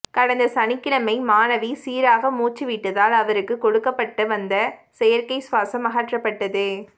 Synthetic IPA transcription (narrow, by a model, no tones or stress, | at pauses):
kɐɽɐnd̪ɐsɐnɪkːɪɭɐmɐɪmaːnɐʋisiːɾaːɣɐmuːt͡ʃːiʋiʈːɯðaːlɐʋɐɾɯkːɯkɔɽɯkːɐpːɐʈːɯʋɐnd̪ɐsɛjɐɾkɐɪsʋaːsɐmɐɣaːʈrɐpːɐʈːɐðɯ